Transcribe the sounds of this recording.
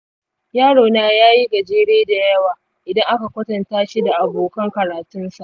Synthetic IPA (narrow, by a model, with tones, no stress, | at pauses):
jaː˦ɽoː˨naː˦jaː˦ji˦ɡɐ˨d͡ʒeː˦ɽeː˦da˨jɐ˦waː˨ | ʔɪ˨dɐ˦ŋʔa˦ka˨kʷɐ˦tɐ˨ntaː˦ʃi˦da˨ʔa˨boː˨kɐ˦ŋkɐ˨ɾaː˨tʊ˦nsa˨ʔ